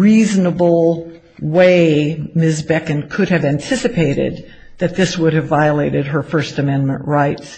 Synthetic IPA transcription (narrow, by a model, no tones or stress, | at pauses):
ɹiznəbl̩ˠ | weɪmɪzbɛkɨ̃nkʰʊɾɨvæ̃ntʰɪsɨpʰeɪɾɪ̰d̪̚ | ðɨt̪̚ðɪswʊɾɨvaɪəleɪɾɨd̚ə˞fɜ˞stɨmɛ̃nmə̃nʔɹaɪt